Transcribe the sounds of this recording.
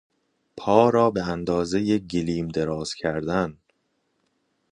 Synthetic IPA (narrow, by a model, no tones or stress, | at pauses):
pʰɒːɾɒːbe̞ænd̪ɒːzejeɟeliːmd̪eɾɒːz̥cʰæɾd̪æn